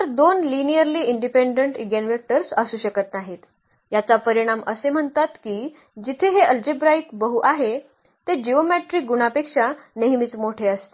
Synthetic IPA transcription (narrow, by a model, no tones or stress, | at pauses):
əɾd̪onlinijəɾliːiɳɖipeɳɖəɳʈiɡenʋek̚ʈəɾsəsuːɕəkət̪naɦit̪ | jat͡sapəɾiɽ̃aməsem̤əɳt̪at̪kiː | d͡ʑit̪ʰeɦeʔəld͡ʑibɾaikbəɦuʔaɦe | t̪ed͡ʑiomeʈɾiːk̚ɡuɽ̃apekʂaneɦmit͡smoʈʰeəst̪e